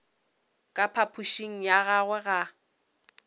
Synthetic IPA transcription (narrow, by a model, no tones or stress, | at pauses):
kʼapʰapʰuʃiŋ̩jaɣaɣwɛɣa